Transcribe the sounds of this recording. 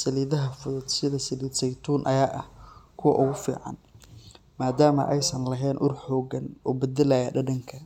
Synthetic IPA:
sɐliːðɐɦɐfʊðʊd̪sɪðɐsɐliːd̪sɐjt̪ʰuːnʔɐ̰jaːʔɐhkʰʊwɑ̰ʔʊɣʊfḭːʕɑ̰n | maːd̪aːmɐ̰ʔɛjsɐnlɐɦɛːnʔʊrħɔːɡɐnɔːbɐd̪ɐlɐjɐɖɐɖɐŋkʰɐ

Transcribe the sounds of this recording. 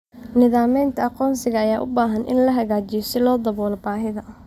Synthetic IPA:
nɪðaːmɛjnt̪ʰɐɑqɔːnsɪɣɐːjaːʔʊbaːɦɐnʔɪ̰nlɐɦɐɣaːt͡ʃɪjɔsɪlɔːd̪ɐβɔːlbaːɦɪðɐ

